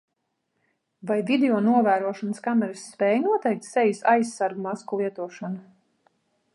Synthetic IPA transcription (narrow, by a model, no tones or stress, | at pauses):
vajvʲid̪eɔnuɔvæːɾuɔʃanəskamɛɾɨsːpʲɛːjnuɔt̪ɛjk̚t̪sɛjusajsːaɾɡumaskulˠiɛt̪uɔʃanu